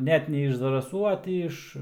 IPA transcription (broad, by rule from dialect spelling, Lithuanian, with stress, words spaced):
ˈnʲɛt nʲɛ ɪʃ zɐrɐˈsuː ɐ ˈtʲiː ɪʃ